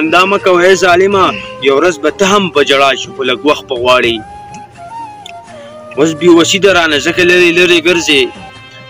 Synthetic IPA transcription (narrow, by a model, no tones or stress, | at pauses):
and̪ɑːmakawaezɑːlɪmajawɾazbat̪əɦampəd͡ʒaɽɑːʃixolaɡwaːxt̚pəɣwɑːɽi | wosbewasid̪aɾɑːnazəkaləɾeləɾeɡəɾze